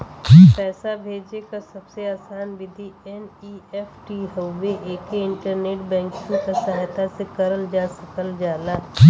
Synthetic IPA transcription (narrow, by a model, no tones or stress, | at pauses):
pɛːsabʱeːd͡ʒekasɐbseaːsaːnʋɪd̪ʱiɛniːɛfʈiɦoʋeʔeːkeɪ̃ɳʈəɾneːʈbɛ̃ːŋkɪ̃ŋkasaɦt̪asekɐɾəld͡ʒaːsəkəld͡ʒaːlaː